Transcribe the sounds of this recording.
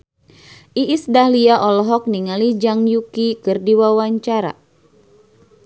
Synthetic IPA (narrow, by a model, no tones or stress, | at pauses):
ʔiʔisdahliaʔɔlɔɦɔk̚niŋalid͡ʒaŋjukikɨrdiwawaɲt͡ʃaɾa̰